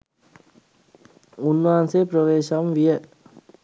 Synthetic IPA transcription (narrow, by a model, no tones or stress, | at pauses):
unːʋaːnsepɾəʋeːʃɐmʋijə